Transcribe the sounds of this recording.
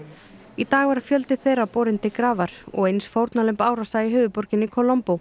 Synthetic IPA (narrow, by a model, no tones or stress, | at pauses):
it̪aːɣvaɾfjœlt̪ɪθejɾapɔːɾɪnt̪ɪkɾaːvaɾ̥ɔ̰ɣejnsfowɾt̪nalʏmpaːwɾasaiɦʏːvʏpɔɾcɪnːɪikʰɔlɔmpo